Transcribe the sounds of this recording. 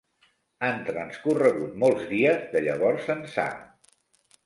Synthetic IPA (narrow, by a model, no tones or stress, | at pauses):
ant̪ɾənskurəɣ̞ut̪̚molˠzðiəzðəʎəβ̞ɔɾsənsa̰